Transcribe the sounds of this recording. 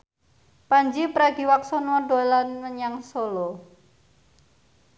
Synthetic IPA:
paɲd͡ʒipɾaɡi̤waksɔnwɔɖo̤lanməɲaŋsolɔ

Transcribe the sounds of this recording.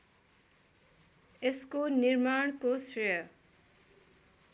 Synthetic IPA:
eskonirmaɳ̃kosrʌjʌ

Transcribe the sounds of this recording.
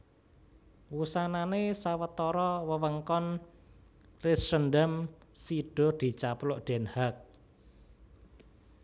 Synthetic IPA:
wusananesawət̪ɔɾɔwəwəŋkɔn | rɪsrənɖəmsiɖ̥ɔ̤d̪̥i̤t͡ʃaplʊʔɖ̥ɛ̤nhak̚

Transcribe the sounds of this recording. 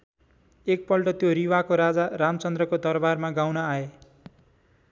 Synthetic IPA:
ek̚pʌlʈʌt̪joɾiwakoɾad͡zaramt͡sʌnd̪rʌkod̪ʌrbarmaɡawnʌae

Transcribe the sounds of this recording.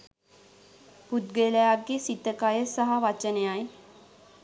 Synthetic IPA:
put̪ɡeləjaɡːesit̪ːəkajəsaɦaʋat͡ʃənejaj

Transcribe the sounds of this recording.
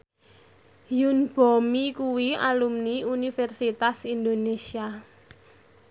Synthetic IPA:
junb̥omikuwia̰lumniunifɛrsit̪asind̪onesia

